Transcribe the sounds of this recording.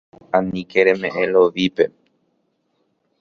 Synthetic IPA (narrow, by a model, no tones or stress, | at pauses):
ãnĩkeɾemẽʔẽloʋipe̞